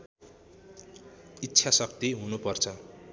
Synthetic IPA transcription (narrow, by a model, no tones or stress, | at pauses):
itːsʰasʌk̚t̪iɦunupʌrt͡sʰʌ